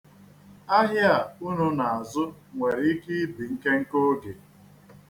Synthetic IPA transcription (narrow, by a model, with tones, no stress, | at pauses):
a˦ɦja˨u˦nu˦na˨a˨zʊ˦ŋʷe˨ɾi˦i˦ki˦bi˨ŋ̩˦ke˦ŋ̩˦ko˦ɡe˨